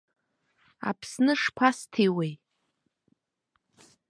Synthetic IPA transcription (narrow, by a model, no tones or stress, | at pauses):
a̰pʰsnɨʂpʷʰastʰiwej